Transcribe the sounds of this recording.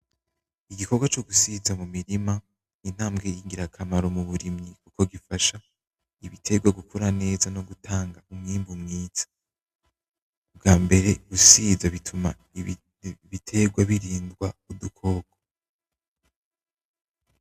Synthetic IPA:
iɡiko̞ɡwat͡ʃoɡusizamumiɾima | nin̥haːmɡejiŋɡiɾakʰamaɾo̞muβuɾimɲikuko̞ɡifaʃa | iβitʰe̞ɡwaɡukuɾane̞ːzano̞ɡutʰaːŋɡaumŋiːmbumŋiːzḁ | ub̚ɡaːmbe̞ɾe̞ɡusiːzaβitʰuma̰ | βitʰe̞ɡwaβiɾiːndɡwaudukʰo̞ːɡo̥

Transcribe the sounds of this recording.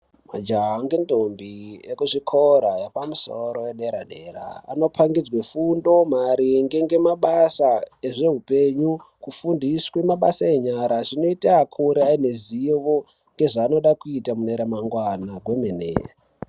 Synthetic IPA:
mad͡ʒaɦaŋɡendombiekuʐikʰoɾajepamusoɾo̞jeɗe̞ɾaɗe̞̰ɾa̰a̰no̞pʰaŋɡid͡zwefundo̞maɾiŋɡe̞ŋɡe̞maɓasaeʐe̞ɦupe̞ɲu | kufundiswemaɓasae̞ɲaɾaʐino̞itaːkʰuɾeaine̞ziʋo | ŋɡe̞ʐaːno̞ɗakuitamuneɾamaŋɡwanaɡwemenḛa

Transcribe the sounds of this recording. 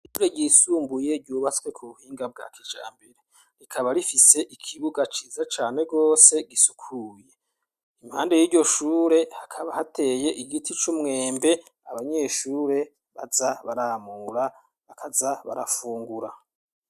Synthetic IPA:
iʃuːɾeɟiːsuːmbuje̞ɾɟuːβat͡skwe̞kʰuβuhiːŋɡab̚ɡa̰kid͡ʒa̰ːmbeɾe | ɾikʰaβaɾifise̞ʔikʰiβuɡat͡ʃiːzat͡ʃaːne̞ɡo̞ːse̞ɡisu̥kʰuje̞ | im̥haːnde̞jiːɾɟo̞ʃuːɾe̞hakʰaβahate̞je̞ʔiɡitʰit͡ʃumŋe̞ːmbe̞ | aβaɲe̞ʃuːɾe̞ | βa̰zaβaɾamuːɾa | akʰazaβa̰ɾa̰fuːŋɡuɾa

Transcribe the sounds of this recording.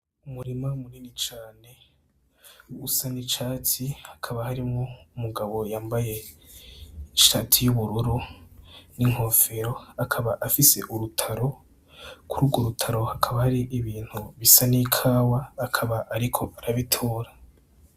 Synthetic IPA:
umuɾimamuɾiːnit͡ʃaːne̞ | usanit͡ʃaːtʰihḁkʰaβahaɾimŋoumuɡaβo̞jaːmbaje̞ | iʃatʰijuβuɾuɾu | niŋ̥o̞ːfe̞ɾo̞akʰaβaʔafise̞̰ʔuɾutʰaɾo̞ | kuɾʔuːbɡoɾutʰaɾo̞hakʰaβahaɾiʔiβiːn̥huβisanikʰaːwaːkʰaβaʔaɾikʰo̞ʔaɾaβitʰoːɾa

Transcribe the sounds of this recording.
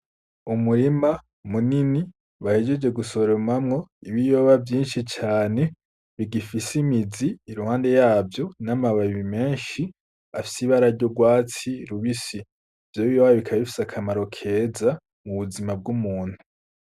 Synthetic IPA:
umuɾima | munini | βahed͡ʒed͡ʒwe̞ɡuso̞ɾeɾumamŋo̞iβijo̞βavjiːnʃit͡ʃaːne̞ | βiɡifisimiziːɾuhaːnde̞jaːvjo̞namaβaβiβime̞ːnʃi | afi̥siβaɾaɾɟo̞ɡwaːt͡siɾuβisi | vjoβijoβaaβikʰaβifi̥sakʰamaɾo̞kʰe̞ːza | muβuzimab̚ɡumuːn̥hu

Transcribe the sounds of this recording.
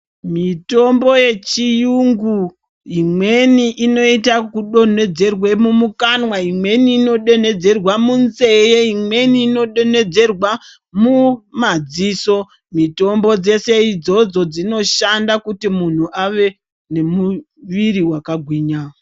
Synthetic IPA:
mito̞mbo̞je̞t͡ʃijuŋɡu | ɦimwe̞niʔino̞itakuɗo̞ne̞d͡ze̞rwe̞mumukanwaimwe̞niːno̞ɗe̞ne̞d͡ze̞rwamunze̞jeimwe̞niːno̞ɗo̞ne̞d͡ze̞rwa | mumad͡ziːso̞ | mito̞mbo̞d͡ze̞se̞id͡zo̞d͡zo̞d͡zino̞ʃandakutimun̤uʔaʋe̞ | ne̞mu | ʋiɾiwakaɡʱwiːɲaːo

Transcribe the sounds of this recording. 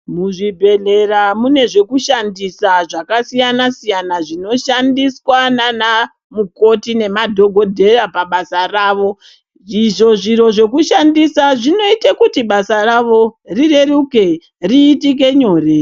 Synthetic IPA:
muʐibʱe̞ɮe̞ramune̞ʐe̞kuʃandisaʐakasijanasijanaʐino̞ʃandiswanana | muko̞tine̞madʱo̞ɡʱo̞dʱe̞rapaɓasaraːʋo̞ | iʐo̞ʐiɾo̞ʐe̞kuʃandisaʐino̞itekutiɓasaraʋo̞rire̞ruke | riːtik̬e̞ɲo̞ːre

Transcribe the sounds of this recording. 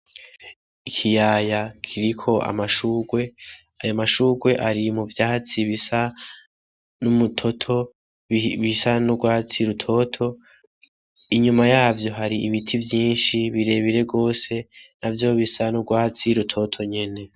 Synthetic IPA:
ikʰijaːjakʰiɾikʰo̞a̰maʃuːɡwe̞ | ajomaʃuːɡwe̞ʔaɾimuvjaːht͡siβisa | numutʰo̞tʰo̞ | βisanuɡwaːt͡siɾutʰo̞tʰo̞ | iɲumajaːvjo̞ɦaɾiiβitʰivjiːnʃiβiɾe̞βiɾe̞bɡo̞ːse̞navjo̞βisanuɡwaːt͡siɾutʰo̞tʰo̞ɲe̞ne̞

